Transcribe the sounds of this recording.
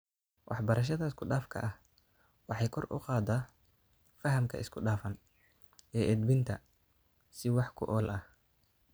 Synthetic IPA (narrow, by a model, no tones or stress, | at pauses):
wʔɑħbɐɾɐʃ̬ɐðɐɪskʰʊɖaːfkʰɐ̰ʔɐh | wɑħɑjkʰɔrʔʊ̰qɑːd̪ɐ | fɐɦɐmkʰɐ̰ɪ̰skʰʊɖaːfɐn | ɛːʔɛd̪̚bɪnt̪ʰɐ | sɪwɑħkʰʊ̰ʔɔlʔɐh